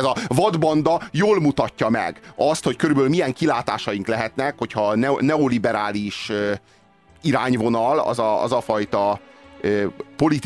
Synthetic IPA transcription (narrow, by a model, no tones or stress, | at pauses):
zɒvɒd̪bɒnd̪ɒjoːlmut̪ɒcːɒmɛ̰ɡɒst̪hockøɾybøːlmijɛŋkilaːt̪aːʃɒjiŋklɛɦɛt̪nɛkho̞cʰhɒnɛnɛolibɛɾaːliʃø | iɾaːɲvo̞nɒlɒ̰zɒɒ̰zɒfɒjt̪ɒøpo̞lit̪